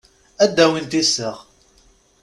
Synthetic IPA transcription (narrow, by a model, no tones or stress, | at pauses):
æd̪ːæwint̪isːəʁ